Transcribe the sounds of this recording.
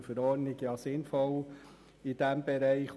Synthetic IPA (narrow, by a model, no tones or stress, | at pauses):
fəɾɔːɾnɪɡjɑːsɪnfɔl | id̥ɛmbɛɾɛɪχ